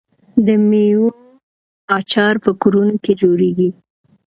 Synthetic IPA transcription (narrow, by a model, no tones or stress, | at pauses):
d̪əmiju | ɑt͡ʃɑɾpəkuɾunoked͡ʒoɾeɡi